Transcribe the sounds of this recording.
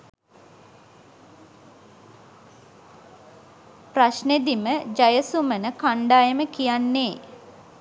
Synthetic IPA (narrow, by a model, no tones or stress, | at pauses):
praʃned̪iməd͡ʒajəsumənəkaɳɖaːjəməkijanːeː